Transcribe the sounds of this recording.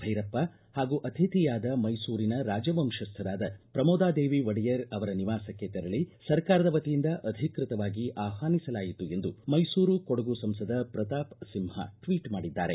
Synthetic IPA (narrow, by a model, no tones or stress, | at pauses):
bʱɐjɾɐpːɐ | haːɡuʔɐt̪ʰit̪ijaːd̪ɐmɐjsuːɾinɐɾaːd͡ʒɐbɐmʃɐst̪ʰɐd̪aːd̪ɐpɾɐmɔːd̪aːd̪eːʋiʋɐɽijɐɾɐʋɐɾɐniʋaːsɐkːet̪ɛɾɐɭisɐɾkaːɾɐd̪ɐʋɐt̪ijind̪ɐʔɐd̪ʱikɾɪt̪ɐʋaːɡiʔaːɦaːnisɐlaːjit̪ue̞nd̪umɐjsuːɾukɔɽɐɡusɐmsɐd̪ɐpɾɐt̪aːpsimhɐ̰ʈʋiːʈmaːɽid̪ːa̰ːɾe̞